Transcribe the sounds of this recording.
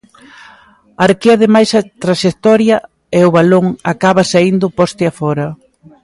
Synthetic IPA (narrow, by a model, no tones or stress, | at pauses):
aɾkiaðemajsɐt̪ɾaʃekt̪ɔɾjɐ | ɛʊβaloŋakaβɐsaind̪ʊpɔst̪eafɔɾɐ